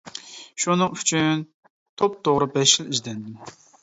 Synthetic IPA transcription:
ʃunɨŋy̥t͡ʃʰyn | t̪ʰop̚t̪ʰoʁɾɨbɛʃɪlɪzd̪ɛnd̪ɪm

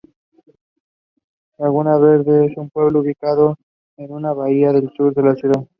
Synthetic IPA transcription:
aɣunaβeɾðesumpweβlouβikaðo | enunaβaiaðelt͡ʃuɾðelasjuða

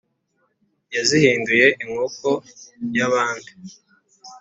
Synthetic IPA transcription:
jazihiːnduje̞ʔiŋoko̞jaβaːndi

